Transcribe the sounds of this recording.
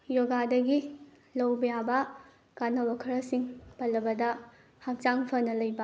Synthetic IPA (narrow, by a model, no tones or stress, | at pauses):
joɡadɐɡi | lɐwbɐjabɐ | kanɐwɐkʰɐɾɐsiŋpɐlːɐbɐdɐ | hɐk̚t͡ʃaŋpʰɐnɐlɐjbɐ